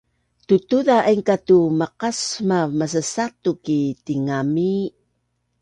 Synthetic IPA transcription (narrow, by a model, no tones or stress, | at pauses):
tutuðaʔaiŋkatumaqasmamas̬əsatukitiŋami